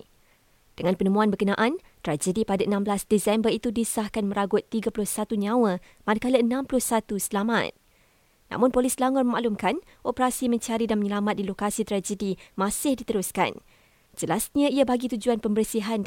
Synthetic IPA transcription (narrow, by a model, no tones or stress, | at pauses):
d̥əŋãnpənəmũanbərkənãʔan | t̪ɾad͡ʒədipadaʔənãmbəlasdisɛmbərit̪udisahkanmə̃ɾaɡʊt̪ːiɡapulʊhsat̪uɲãwə | madakaləənãmplʊhsat̪usəlamã̰t̪̚ | nã̰mʊ̃npolislaŋɔrməma̰ʔlumkan | ʔopəɾasimə̃ɲt͡ʃaɾidanməɲəlamat̪̚dilokasit̪ɾad͡ʒədimãsɪhdit̪əɾʊska̰n | d͡ʒəlasɲaiabaɡit̪ud͡ʒuanpəmbərsiɦan